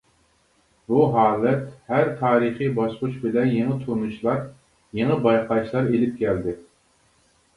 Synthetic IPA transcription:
buɦɑːlˠɛt̪hæɾt̪ʰɑːɾɨχijbɑsqʊʃbɪlɛnjeŋɨt̪ʰunuʃlˠɑɾ | jeŋəbɑjqʰɑʃlˠɑɾelɪp̚kʲɛld̪ɪ

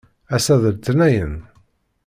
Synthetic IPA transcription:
æsæðəlt̪ənæjən

